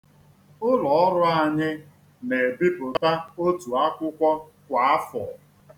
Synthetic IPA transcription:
ʊ˦lɔ˨ɔ˦ɾʊ˦a˦ɲɪ˦ | ne˨bi˦bʊ˨ta˦o˦tu˨a˦kʷʊ˦kʷɔ˦ | kʷa˨a˦fɔ˨

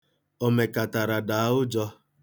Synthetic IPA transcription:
o˨me˨ka˨ta˨ɾa˨da˨˦ʊ˦d͡ʒɔ˦

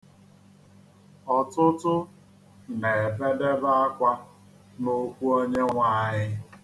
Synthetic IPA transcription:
ɔ˨tʊ˦tʊ˦ | ne˨fe˦de˦ba˦a˦kʷa˦ | no˦kʷu˦o˦ɲe˦ŋʷa˦ɲɪ˦

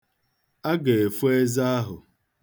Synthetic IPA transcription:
a˦ɡe˨e˨fu˦e˦za˦a˦ɦʊ˨

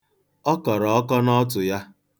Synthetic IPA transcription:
ɔ˦kɔ˨ɾɔ˨ɔ˦kɔ˦nɔ˦t̬ʊ˨ja˦

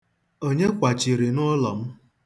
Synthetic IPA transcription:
o˦ɲe˦kʷa˨t͡ʃi˨ɾi˨nʊ˦lɔ˨m̩˦

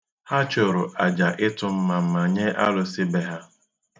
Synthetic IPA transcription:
ha˦t͡ʃʊ˨ɾʊ˨ʔa˨d͡ʒa˨ʔɪ˦tʊ˦m̩˦ma˨m̩˦ma˨ɲe˦ʔa˦lʊ˦sɪ˦be˦ɦa˦

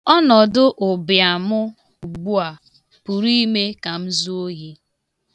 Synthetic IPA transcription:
ɔ˦nɔ˨dʊ˦ʔʊ˨bja˨mʊ˦ | u˨ɡ͡bu˦a˨ | pu˨ɾi˦me˦ka˨m̩˦zu˦o˦ɦe˦

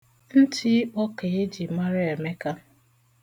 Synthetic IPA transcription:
n̩˦tɪ˦k͡pɔ˦kɪ˨ɪ˦d͡ʒi˨ma˦ɾɪ˦e˨me˦ka˦

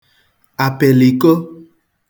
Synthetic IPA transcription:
a˨pɛ˨li˨ko˦

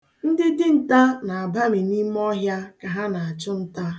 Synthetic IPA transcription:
n̩˦dɪ˦dɪ˦n̩˨ta˦na˨a˨ba˦mi˨ni˦m˦ɔ˦ɦja˦ka˨ɦa˦na˨a˨t͡ʃʊ˦n̩˦ta˦

